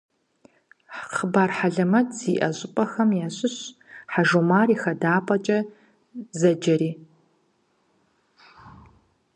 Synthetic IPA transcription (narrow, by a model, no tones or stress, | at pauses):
ħχəbaːrħaɮɐmɐtz̥iːʔɐɕʼɪpʼɐxɐmjaːɕɪɕħaʒomaːriːxɐdaːpʼɐt͡ʃʼɐ | zɐd͡ʒɐɾiː